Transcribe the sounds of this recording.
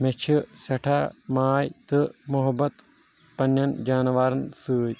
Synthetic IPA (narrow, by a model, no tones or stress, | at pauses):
met͡ʃʰisɐʈʰamaːjt̪ɨmuɦɐbːɐt̪ | pɐnːjɐnd͡ʒaːnʋaːɾɐnsɨːd͡ʒ